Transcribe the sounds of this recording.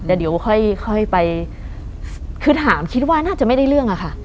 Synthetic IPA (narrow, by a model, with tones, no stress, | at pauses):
t̪ɛː˨˩di˨˩˦wkʰɔ˥˩jkʰɔ˥˩jpa˧j | kʰɯ˦˥t̪̚ʰːaː˩˦mkʰi˦˥t̪̚waː˥˩naː˥˩t͡ɕa˨˩ʔma˥˩jda˥˩jɾɯ˥˩əŋʔa˨˩kʰa˥˩ʔ